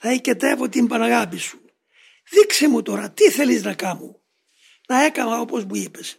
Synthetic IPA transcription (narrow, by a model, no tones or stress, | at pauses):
θɐicet̪evo̞t̪imbɐnɐɣɐpisu̥ | ðiksemut̪o̞ɾɐt̪iθe̞liznɐkɐmu | nɐe̞kɐmɐo̞po̞zmuipe̞s